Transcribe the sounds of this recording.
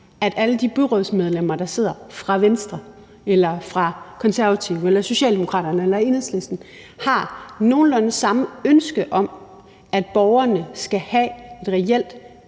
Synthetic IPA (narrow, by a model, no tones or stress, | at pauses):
æd̥æləd̥ib̥yʁɔðˠsmeð̞ˠlem̰ɐd̥ɑ̈se̝ð̞̰ˠɐfʁɑ̈ʋensd̥ʁɐ | elɐfʁɑ̈kʰɒ̽nsæɐʋæt͡sʰiʊelɐso̝ɕɛ̰ːld̥emo̝kʰʁɑ̰̈ːɾ̥ɐnəelɐe̝nhesle̝sd̥n̩ | hɑ̈no̝ːn̩lɒnəsɑ̈məønsɡ̥əʔɒ̽m | æd̥̚b̥ɒʊɐnəsɡ̥æhæe̝d̥ʁɛel̰d̥